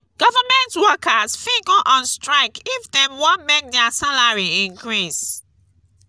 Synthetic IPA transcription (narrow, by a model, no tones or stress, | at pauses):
ɡ̥ɔvamɛ̃ntwɔkʰasfĩɡɔʔɔ̃nstɹaɪkifdɛmwõnmek̚dɛasalaɹiĩŋkɹis